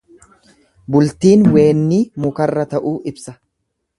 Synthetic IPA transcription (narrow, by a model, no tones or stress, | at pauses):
bʊlt̪iːnwe̞ːnːiːmʊkɐrːɐt̪ɐʔuːɪbsɐ